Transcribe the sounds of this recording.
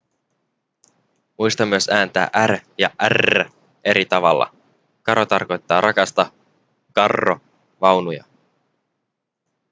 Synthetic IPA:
mujst̪ɑmːyøsæːnt̪æ̰ːʔæɾjɑʔær | ʔe̞ɾit̪ɑʋɑ̰lːɑ̰ | kɑɾo̞t̪ɑrko̞jt̪ːɑːɾʔɑkɑst̪ɑ | kɑrːo | ʋɑwnujɑ̰

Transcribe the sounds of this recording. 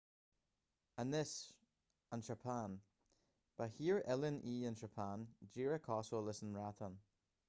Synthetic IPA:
ənɪs | ənʃəpʰan | b̥ahiːɹɛlɪniːə̃nʃəpʰaːnd͡ʒiːɹəkʰɔsolɪsən̩ɹatʰən

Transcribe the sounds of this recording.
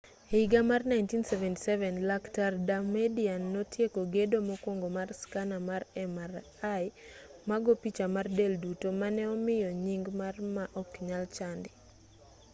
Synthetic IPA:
eiɡamarnajntinsɛvɛnti̥sɛvɛnlaktardamedianːɔtjekoɡedomɔkwoŋɡomarskanamarɛmaɾ | ajmaɡopit͡ʃamardeldutomanɛɔmɪjɔɲiŋɡmarmaʔɔkɲalt͡ʃandɪ

